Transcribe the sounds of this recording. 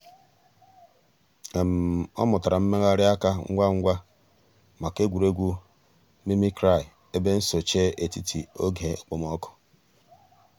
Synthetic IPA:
e˨m̩˨ɔ̰˦mʊ˨ta˨ɾa˨m̩˦me˦ɣa˦ɾɪ˦a˦ka˦ŋ̩̰˦ɡʷa˦ŋ̩˦ɡʷa˦ | ma˨ke˦ɡʷu˨ɾe˦ɡʷu˦ | mi˦mi˦kɾa˦˨ɪ˨ | e˦be˦n̩˦so˨t͡ʃeː˦ʔe˨ti˦tʰi˨o˦ɡe˨k͡po˨m˦ɔ˦kɔ̥˨

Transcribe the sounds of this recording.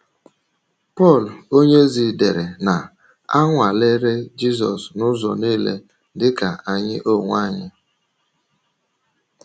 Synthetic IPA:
pɔ˦˨lo˦ɲe˦zi˨de˨ɾe˨na˨ | a˦ŋʷa˨le˦ɾe˦d͡ʒi˦zɔ̰˨snʊ˦zɔ̰˨niː˦lḛ˦ | dɪ˦ka˨a˨ɲɪ˦ʔo˦˨ŋʷa˦˨ɲɪ˦

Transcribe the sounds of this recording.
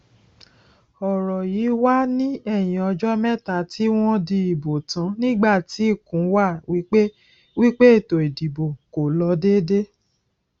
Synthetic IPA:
ɔ˨ɾɔ˨ji˨˦wa˦nĩ˦ɛ˦˨j̃ĩ˨ɔ˧d͡ʒɔ˦mɛ̃˦ta˨ti˦w̃ɔ̃˦di˧i˨bo˨tã˨˦nĩ˦ɡ͡ba˦˨ti˨˦i˦˨kũ˨˦wa˦˨wi˦k͡pe˦ | wi˦k͡pe˦e˦˨to˨i˨di˨bo˨ko˨lɔ˧de˦de˦

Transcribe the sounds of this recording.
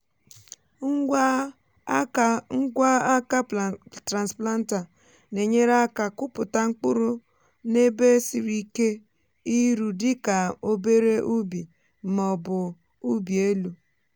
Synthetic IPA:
ŋ̩˦ | ŋ̩˦ɡʷa˦a˦ka˦tɾa˨nspla˦n̩˦ta˨ | ne˨ɲe˦ɾa˦ka˨kʊ˦pʊ˨ta˦ŋ͡m̩˦k͡pʊ˦ɾʊ˦ | ne˦be˦si˨ɾi˦ke˦ | i˦ɾu˨dɪ˦ka˨o˦be˦ɾe˦ʔu˦bi˨˦ | mɔ˨bʊ˨ | u˦bi˨e˦lu˨

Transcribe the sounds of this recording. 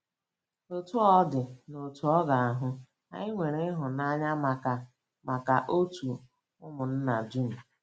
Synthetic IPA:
o˨tu˦ɔ˦dɪ˨no˨tu˨ɔ˦ɡa˨a˨ɦʊ˦ | a̰˨ɪ˦ŋʷe˨ɾe˦ɦʊ˨na˦ɲa˦ma˨ka˨ | ma˨ka˨ʔo˦tu˨ | ʊ˦mʊ˨n̩˦na˨du˦m̩˨

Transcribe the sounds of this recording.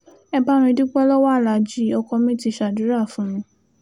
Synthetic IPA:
ɛ˧ba˦ɾ̃ĩ˧du˦k͡pɛ˦lɔ˦wa˦˨la˨d͡ʒi˦ɔ˧kɔ˧mĩ˦ti˧˦˨ʃa˨du˨˦ɾa˦˨fũ˨˦ɾ̃ĩ˧

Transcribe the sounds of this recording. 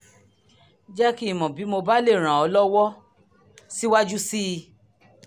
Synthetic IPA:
d͡ʒɛ˦ki˦˨mɔ̃˨bi˨˦mo˧ba˦le˦˨ɾ̃ã˨ɔ˧˦lɔ˦wɔ˦ | si˦wa˦d͡ʒu˦si˦˧

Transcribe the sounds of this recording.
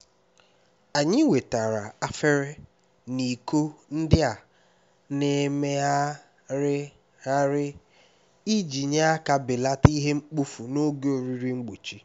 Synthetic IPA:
a˨ɲɪ˦we˨ta˨ɾa˨a˦fe˦ɾɪ˦ | ni˨ko˦n̩˦dɪ˦a˨ | ne˨˦me˦a˦ | ɾɪ˦ | a˦ɾɪ˦ | i˦d͡ʒi˨ɲe˦a˦ka˨bɪ˨la˦ti˦ɦe˦ŋ͡m̩˦k͡pu˦fu˨no˦ɡe˦o˨ɾi˦ɾi˦ŋ͡m̩˦ɡ͡bo˨t͡ʃi˦

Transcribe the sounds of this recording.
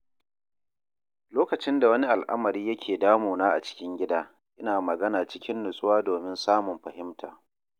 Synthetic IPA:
loː˦kɐ˨t͡ʃɪ˦nda˨wɐ˦ni˦ʔa˨lʔa̰˦mɐ˨ɾiː˦jɐ˦kʲeː˨daː˦moː˨naː˦ʔa̰˨t͡ʃɪ̥˦kʲɪ˦ŋɡʲɪ˦daː˦ | ʔɪ˦naː˨mɐ˨ɡɐ˦naː˨t͡ʃɪ˦kʲɪ˦nːʊ˨sʼʊ˦waː˦doː˨mɪ˦nsaː˦mʊ˨mɸɐ˨ɦɪ˦mtʰaː˨

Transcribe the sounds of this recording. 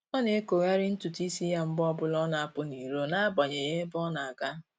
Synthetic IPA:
ɔ˦ne˦ko˨ŋa˦ɾɪ˦n̩˦tu˨ti˦si˦ja˦m̩˦bɔ˦bʊ˦lɔ˦na˨a˦pʊ˦ni˨ɾo˦na˦a˦bɔ˨ɲe˨je˦bɔ˦na˨ka˦

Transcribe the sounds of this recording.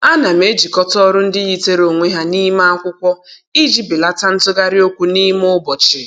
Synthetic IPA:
a˦na˨me˦d͡ʒi˨kɔ˦tɔ˦ɾʊ˦n̩˦dɪ˦ɣi˦te˦ɾo˨ŋʷe˦ɦa˦ni˦ma˦a˦kʷʊ˦kʷɔ˦ | i˦d͡ʒi˦bi˨la˦ta˦n̩˦tʊ˦ɡa˦ɾɪ˦o˦kʷu˦ni˦m˦ʊ˦bɔ˨t͡ʃɪ˨

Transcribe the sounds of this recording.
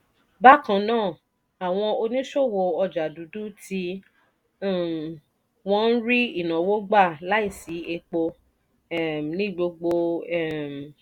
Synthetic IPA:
ba˦kã˧nãː˦˨ | a˨w̃ɔ̃˧o˧nĩ˦ʃo˦˨wo˧˨ɔ˧d͡ʒa˨du˨˦du˦tĩ˧˦˨ | wɔ̃˦n̩˦ɾi˦i˦˨nã˨wo˦ɡ͡ba˦˨la˦i˦˨si˨˦e˧k͡po˧ | ɛ˨nĩ˦ɡ͡bo˧ɡ͡bo˧ɛ˦˨m˨

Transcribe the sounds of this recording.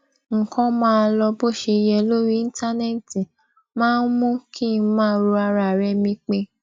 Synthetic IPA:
ŋ̩˨kʰɔ̃˧mãː˦˧lɔ˧bo˦˨ʃe˧jɛ˧lo˦ɾi˦i˦n̩˦ta˦ne˦˨ti˨ | mãː˦n̩˦mũ˦kʰi˦˨˦mãː˦ɾo˧a˧ɾa˨ɾɛ˧mĩ˧k͡pe˧

